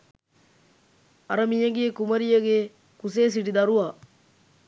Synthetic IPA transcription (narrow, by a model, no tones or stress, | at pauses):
ɐɾɐmijɐɡiekumɐɾijɐɡe | kuseːs̬iʈid̪ɐɾuʋaː